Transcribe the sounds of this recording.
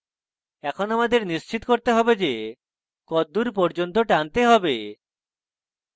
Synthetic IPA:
ɛkʰonamad̪eɾnist͡ɕit̪koɾt̪eɦɔbed͡ʑe | kɔd̪ːuɾpɔɾd͡ʑont̪̬oʈant̪eɦɔbe

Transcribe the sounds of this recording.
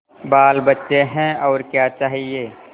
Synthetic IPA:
baːlbətːʃeɦɛ̃ɔːɾkjat͡ʃaːɦieː

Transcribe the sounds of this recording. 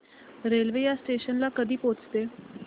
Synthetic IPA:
ɾelʋejasʈeɕənlakəd̪ʱiːpot͡st̪e

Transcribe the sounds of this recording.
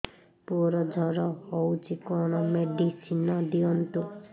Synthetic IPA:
puɔɾɔd͡ʒʱɔɾɔhɔwt͡ʃʰikɔnɔmeɖisinɔd̪iɔnt̪u

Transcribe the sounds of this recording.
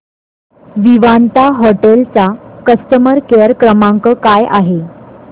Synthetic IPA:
ʋiʋant̪aɦɔʈelt͡sakəst̪əməɾkeəɾkɾəmãŋkəkajʔaɦe

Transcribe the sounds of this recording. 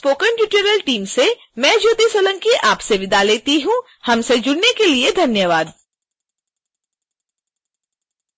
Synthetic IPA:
spoːkəɳʈjuʈəɾəlʈiːmse | mɛ̃ːd͡ʒoːt̪isoːlə̃ŋkiʔaːpseʋɪd̪ʱaleːt̪iɦũ | hɐmsed͡ʒʊɽnekelied̪ʱɐnjəʋaːd̪

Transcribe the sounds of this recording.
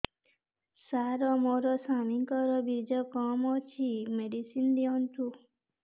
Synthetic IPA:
saɾɔmoɾɔsamiŋkɔɾɔbiɾd͡ʒɔkɔmɔt͡ʃʰimeɖisind̪iɔ̃nt̪u

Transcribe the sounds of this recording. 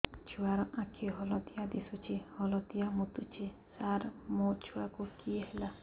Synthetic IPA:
t͡ʃʰuaɾɔʔãkʰeɦɔlɔt̪ijad̪isut͡ʃʰehɔlɔt̪ijamut̪ut͡ʃʰesaɾmot͡ʃʰuakukieɦela

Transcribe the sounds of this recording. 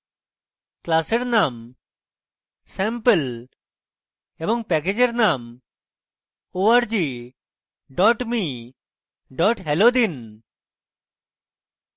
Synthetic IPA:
klaseɾnam | sɛmpel | ebɔŋpɛk̬ed͡ʑeɾnam | oaɾd͡ʒi | ɖɔʈmi | ɖɔʈɦɛlod̪in

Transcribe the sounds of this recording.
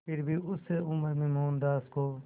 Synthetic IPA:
pɪɾbʱiːʊseːʊməɾmẽːmoːnd̪aːskoː

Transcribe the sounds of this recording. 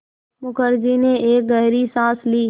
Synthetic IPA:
mʊkəɾd͡ʒiːnẽʔeːk̚ɡəɦɾiːsãːsliː

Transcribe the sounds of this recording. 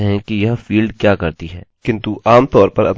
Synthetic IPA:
ɦɛ̃kijɐɦfiːlɖ̚kjaːkɐɾt̪iɦɛːkɪ̃nt̪uʔaːmt̪ɔːɾpɐɾɐ̰p

